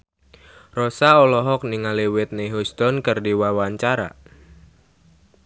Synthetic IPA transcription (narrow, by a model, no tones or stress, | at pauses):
rɔsaɔlɔɦɔk̚niŋaliwɪt̪̚neɦust̪ɔnkərdiwawaɲt͡ʃaɾa̰